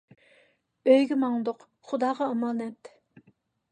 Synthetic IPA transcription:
øjɡʲɪmɑŋlˠɨd̪ʊq | χud̪ɑːʁɑɑmɑːnɛt̪

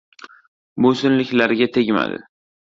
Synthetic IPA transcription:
bosɪnlɪkʲlaɾɡʲat̪ʰe̞ɡʲma̰d̪ɪ̰

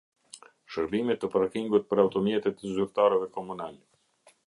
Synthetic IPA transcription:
ʃəɾbimɛt̪ːəpɾakiŋɡut̪̚pəɾawt̪ɔmjɛt̪ɛt̪əzyɾt̪aɾɛvɛkɔmunalɛ

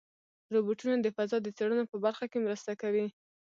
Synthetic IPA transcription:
ɾobuʈunad̪əfazɑd̪ət͡seɽənopəbaɾxakemɾəst̪akawi

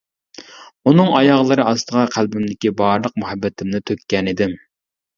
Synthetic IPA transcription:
unɨŋʔɑjɑʁlˠɨɾɨʔɑst̪əʁɑqʰælbymd̪ɪkʲibɑɾlˠəq̚muhɛbːɛt̪ʰɪmnɪt̪ʰøkʲːɛnid̪ɪm

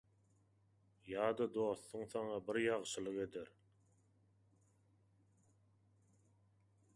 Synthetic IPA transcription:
jɑːd̪ɑd̪o̞ːθːuŋθɑŋɑbiɾjɑʁʃɯlˠɯqe̞d̪eɾ

